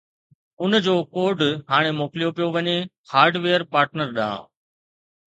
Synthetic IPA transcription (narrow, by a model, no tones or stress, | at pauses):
ʊnd͡ʑoːkoːɾɖɦaːɽ̃emoːklijopijoʋɐɲe | haːɾɖʋeːəɾpaːɾʈnəɾɗã̰ː